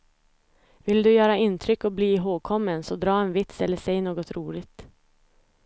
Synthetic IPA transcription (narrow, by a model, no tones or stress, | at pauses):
vɪld̪ɵjøːɾaɪnt̪ʰɾʏkːɔbliːɦoːɡ̚kʰɔmːənsɔd̪ɾɑːɛnvɪt̪sɛlːəʂɛɪnoːɡɔt̪ɾuːɭɪɡt̪